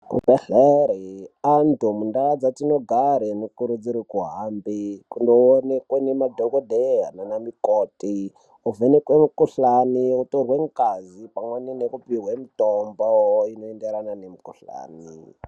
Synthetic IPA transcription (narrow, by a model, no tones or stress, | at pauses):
ṵbʱeɬeɾiantumundaad͡zatinoɡʱaɾenekuɾud͡ziɾikuɦambikundoonekwenemadʱokodʱeɦa̰nonamikoːti | uvenekwemukuɬaniutorweŋkazipamwaninekupiɦwemitomboinoendeɾananemikuɬa̰ːni